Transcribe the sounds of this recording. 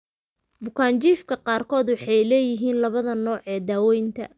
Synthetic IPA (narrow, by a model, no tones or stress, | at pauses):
bʊkʰaːnt͡ʃiːfkʰɐqɑːrkʰɔːd̪wɑħɑjlɛːjɪɦiːnlɐβɐðɐnɔːʕɛːd̪aːwɛjnt̪ʰɐ̰